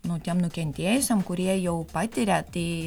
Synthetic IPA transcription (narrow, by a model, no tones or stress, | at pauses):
nʊt̪ʲiɛmnʊkʲɛnʲt̪ʲiɛjɪsʲɛmkʊɾʲiɛjɛʊpɐt̪ʲɪɾʲæt̪ʲiː